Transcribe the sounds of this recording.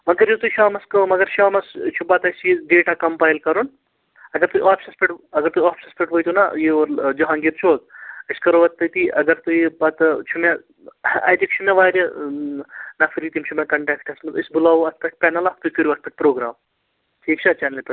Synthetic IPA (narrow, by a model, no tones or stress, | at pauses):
mɐɡɐɾjot̪uʃaːmɐskɐmɐɡɐɾʃaːmɐst͡ʃʰubaːt̪ɐsiɖeːʈakɐmpaːjlkɐɾun | ɐɡɐɾt̪ujʔaːfʲsɐspʲeʈɐɡɐɾt̪uaːfʰi̥sɐspʲeʈʋojt̪una̰jeʋɐɾd͡ʒoɦãːŋɡit̪t͡ʃʰoːd̪̚iskɐɾoʋɐt̪ːɐt̪iʔɐɡɐɾt̪ujebɐt̪ɐt͡ʃʰumja | ɐ̰ːjt̪ik̚t͡ʃʰumaʋaːɾʲɐ | nafʰiɾit̪imt͡ʃʰumʲakɐɳʈɛːkʈʰɐsmɐt̪isbulaːʋuɐt̪̚ʰpʲɐʈ̚pɛːnɐlakt̪ukuɾʲuɐt̪̚pʲɐʈ̚pɾoːɡɾaːm | ʈʰiːkt͡ʃʰaːt͡ʃaːnɐlpʲɐ